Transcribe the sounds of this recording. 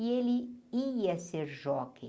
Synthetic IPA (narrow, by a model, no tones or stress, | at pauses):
ielɪiɐseɾʒɔkẽ